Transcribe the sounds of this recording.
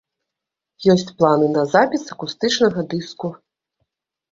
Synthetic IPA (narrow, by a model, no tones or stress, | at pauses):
jɔsʲt͡sʲplˠanɨnɐzapʲisɐkust̪ɨt͡ʂnɐɣɐd̪ɨsku